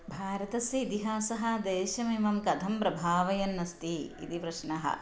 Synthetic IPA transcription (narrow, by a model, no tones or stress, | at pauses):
bʱaːɾɐt̪ɐsɐid̪iɦaːsɐɦɐd̪eːʃɐmimɐmkɐd̪ʱɐmpɾɐbʱaːʋɐjɐnːɐst̪iḭt̪iʋɾɐʃɳɐɦɐ̰